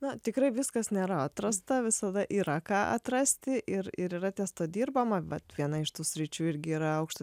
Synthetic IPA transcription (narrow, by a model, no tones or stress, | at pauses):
nʊt̪ʲɪkɾɐɪʋʲɪskɐsnʲeːɾɐɐt̪rɐst̪ɐʋʲɪsɐd̪ɐʔiːɾɐkɑːʔɐ̰t̪rɐsʲt̪ʲɪʔɪɾɪɾiːɾɐt̪ʲɛst̪oːd̪ʲiːrbɐmɐʋɐt̪ʋʲiɛnɐɪʃt̪uːsʲɾʲɪt͡ʃʲuːɪɾʲɡʲɪiːɾɐɐʊkʃt̪